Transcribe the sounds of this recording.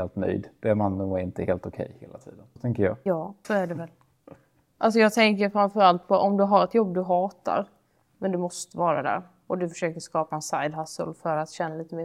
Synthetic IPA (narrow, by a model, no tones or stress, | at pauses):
eːlt̪nœ̰jd̪d̪̥ɛæɾmanuɛɾɪnt̪əheːlt̪ʊkʰɛ̰jhḛːlat̪ʰḭːd̪ənt̪ʰɛŋkəɾjɑ̰ːjɑːsɔæɖɛvɛl | ʔals̬ɔjɑːɡ̚t̪ʰɛŋkəɾfɾamfœɾalt̪̚pʰɔʔɔmd̪ɵɦaɾɛt̪jɔbːd̪ɵɦɑːt̪a̰ɾ | mɛnd̪ɵmɔst̪əvɑːɾa̰d̪æ̰ːɾ | ɔd̪ɵfœʂøːkəʂkɑːpaɛnsajd̪ɦasə̰lfœɾat̪ɕɛnːaliːt̪əmeː